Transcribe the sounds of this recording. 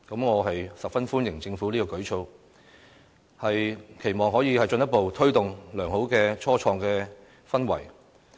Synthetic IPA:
kɐ˨˥mŋɔː˨˧ɦɐ˨jsɐ˨p̚fɐ˥nfuː˥njɪ˨˩ŋt͡sɪ˧ŋfuː˨˥liː˥kɔː˧kɵ˨˥ɥt͡ʃʰo˧w | hɐ˨jkʰe˨˩jmɔː˨ŋɦɔː˨˥jiː˨˧hɐ˨jt͡ʃɵ˧njɐ˥t̚po˨wt̪ʰɵ˥ɥt̪ʊ˨ŋlœː˨˩ŋho˨˥wkɛː˧t͡ʃʰɔː˥t͡ʃʰɔː˧ŋkɛː˧ | fɐ˥nwɐ̰˨˩j

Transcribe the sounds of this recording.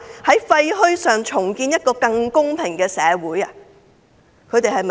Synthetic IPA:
hɐ˨˥jfɐ˧jɦɵ˥ɥsœː˨˩ŋt͡ʃʰʊ˨˩ŋkiː˧njɐ˥t̚kɔː˧kɐ˧ŋkʊ˥ŋpʰɪ˨˩ŋkɛː˧sɛː˨˧wuː˨˥jɐ˧ | kʰɵ˨˧ɥt̪e˨jhɐ˨jm

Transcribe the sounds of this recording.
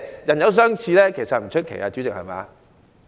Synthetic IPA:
jɐ˨˩njɐ˨˥ws̬œː˥ŋt͡sʰiː˧lɛː˥kʰe˨˩jsɐ˨t̚m̩˨˩t͡ʃʰɵ˥t̚kʰḛ˨˩jaː˧t͡ɕyː˨˥t͡sɪ˨k̚hɐ̰˨jma̰ː˨˦

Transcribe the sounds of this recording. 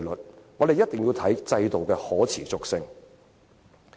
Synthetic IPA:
lɵ˨t̚ŋɔː˨˧ɾe˨jɐ˥t̚t̪ɪ˨˩ŋji˧wt̪ʰɐ˨˥jt͡sɐ˧jt̪o˨wkɛː˧hɔː˨˥t͡sʰiː˨˩t͡sʊ˨k̚sɪ˧ŋ

